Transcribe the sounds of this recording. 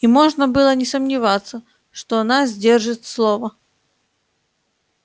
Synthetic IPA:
imɔʐnɐbɨlˠɐnʲɪsɐmnʲɪvat̪sːɐ | ʂt̪ɔanazʲdʲerʐɨt̪slˠɔvɐ

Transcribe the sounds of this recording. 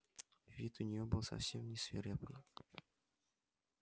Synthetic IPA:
vʲit̪ʊnʲɪjobɨlˠsɐ̰fsʲemnʲɪsvʲɪɾʲɛpɨ

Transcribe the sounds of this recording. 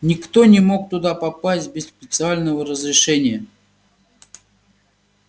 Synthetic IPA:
nʲɪkt̪o̞nʲɪmo̞k̚t̪ʊd̪apɐpasʲt̚ʲbʲɪsːpʲɪt̪sɨalʲnəvəɾəzɾʲɪʂɛnʲɪjə

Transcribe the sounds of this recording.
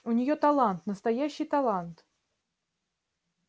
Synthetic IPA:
unʲɪjot̪alˠɑnt̪nəst̪ajaɕːɪjt̪alˠant̪

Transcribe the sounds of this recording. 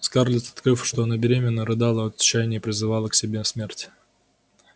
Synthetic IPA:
skarlʲɪt̪sɐ̥t̪kɾɨfʂt̪oɐnabʲɪɾʲemʲɪnːəɾɨd̪ɑlˠəɐt̪t͡ɕːæjnʲɪjəpɾʲɪzɨvɑlˠəksʲɪbʲesmʲertʲ

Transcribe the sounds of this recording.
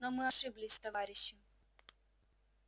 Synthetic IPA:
nomɨɐʂɨblʲɪsʲt̪ɐvaɾʲɪɕːɪ

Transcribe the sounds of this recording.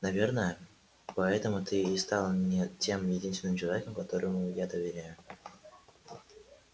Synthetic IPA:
nɐvʲe̞rnəjə | pɐɛt̪əmʊt̪ɨɪst̪ɑlˠəmnʲetʲe̞mjɪdʲinst̪ʲɪnɨmt͡ɕɪlˠɐvʲe̞kəmkɐt̪o̞ɾəmʊjad̪əvʲɪɾʲæjʊ

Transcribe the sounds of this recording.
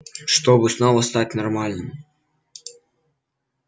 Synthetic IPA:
ʂt̪ɔbɨsnɔvɐst̪atʲnɐrmalʲnɨm

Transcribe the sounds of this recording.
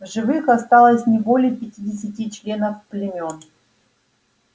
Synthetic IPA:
vʐɨvɨxɐst̪alˠəsʲnʲɪbo̞lʲɪjəpʲɪtʲidʲɪs̬ʲɪtʲit͡ɕlʲe̞nəfplʲɪmʲo̞n

